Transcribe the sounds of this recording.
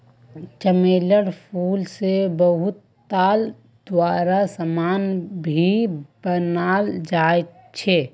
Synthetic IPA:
t͡ʃəmeːləɽpʰuːlsebəɦʊt̪ː | aːl | d̪̥waːɾasəmaːnbʱibənaːld͡ʒaːet̪ | t͡ʃʰeː

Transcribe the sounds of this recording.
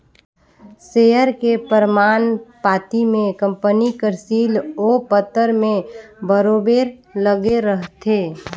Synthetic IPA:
seːəɾkepəɾmaːnpaːt̪imẽkə̃mpənikəɾsiːloːpət̪ːəɾmẽbəɾoːbeːɾləɡeɾəɦt̪ʰeː

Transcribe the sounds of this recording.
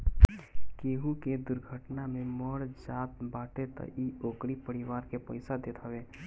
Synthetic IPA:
keːɦuked̪ʊɾɡʱəʈnamẽməɽd͡ʒaːt̪baːʈet̪ə̰ʔioːkɽipəɾɪʋaːɾkepə̰ɪsad̪eːt̪ɦəʋeː

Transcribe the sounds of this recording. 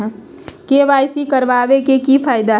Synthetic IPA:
keʋaːjsikəɾʋaʋekekipʰaːjd̪a

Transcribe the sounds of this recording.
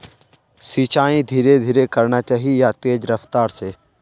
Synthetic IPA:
siːt͡ʃaːĩd̪ʱiːɾed̪ʱiːɾekɐɾnat͡ʃaːɦijat̪eːd͡ʒɾɐft̪aːɾse

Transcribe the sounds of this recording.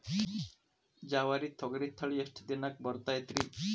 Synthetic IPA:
d͡ʒawaɾit̪ʰːɔɡɾit̪ʰːəɭiesʈʰəd̪inak̚bɔɾt̪ajt̪ɾi

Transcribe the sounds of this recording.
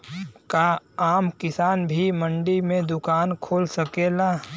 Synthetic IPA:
kaaːmkɪsaːnbʱimə̃ɳɖimẽd̪ʊkaːnkʰoːlsəkeːla

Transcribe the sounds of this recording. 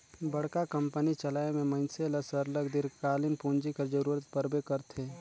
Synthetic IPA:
bɐɽ̤kakɐ̃mpənit͡ʃɐlaːemẽmɐ̃nseɐləsəɾləɡd̪ɪɾkaːlɪnpũːnd͡ʒikɐɾd͡ʒəɾuːɾət̪pəɾbekəɾt̪ʰeː

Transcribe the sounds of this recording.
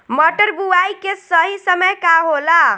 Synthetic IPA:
mɔʈəɾbuajkesəɦisəməjkaɦola

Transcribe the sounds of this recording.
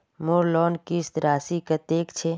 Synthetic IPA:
moːɾlɔːnkist̪ɾaːsikɐt̪eːkt͡ʃʰe

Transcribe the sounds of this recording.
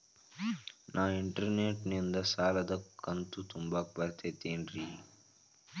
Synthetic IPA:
nʔaːiɳʈɐɾneːʈnind̪ɐsaːlɐd̪ɐkːɐnt̪ut̪umbaːpɐɾt̪ʰeːt̪eːnɾi

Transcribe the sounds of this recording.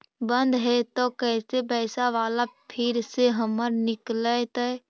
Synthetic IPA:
bənd̪ɦɛt̪ɔkɛːsebɛːsaʋaːlapʰɪɾseɦəməɾnɪklət̪əɛ

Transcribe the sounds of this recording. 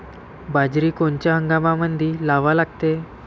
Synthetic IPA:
bad͡ʑɾiːkoɳt͡ɕjaɦəŋɡamamənd̪ʱiːlaʋalaɡ̚t̪e

